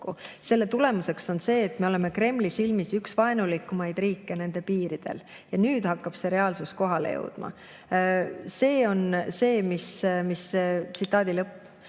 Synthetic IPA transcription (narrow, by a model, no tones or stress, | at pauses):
use̞lːe̞t̪ule̞muse̞kso̞nse̞ːt̪me̞o̞le̞me̞kre̞mːlisilmisyksvɑenulikːˑumɑjd̪̥riːkːe̞ne̞nd̪̥e̞piːɾid̪̥e̞̰l | jɑnyːd̪̥hɑkːɑb̥se̞ɾe̞ɑlsusko̞ɦɑlḛjɤ̰wd̪̥mɑ̰ | se̞ːo̞nse̞ːmismist̪sit̪ːˑɑːd̪ilɤpː